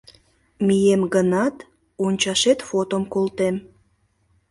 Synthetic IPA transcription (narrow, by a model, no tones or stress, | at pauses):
mijemɡənɑt̪ | onʲt͡ɕɑʃet̪fot̪omkolt̪em